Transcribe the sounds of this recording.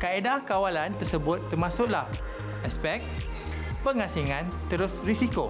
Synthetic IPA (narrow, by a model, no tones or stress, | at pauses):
kaedahkawalant̪ərsəbʊt̪ːərmãsʊʔlah | ʔɛspɛk̚ | pəŋãsiŋãnt̪əɾʊsrisiko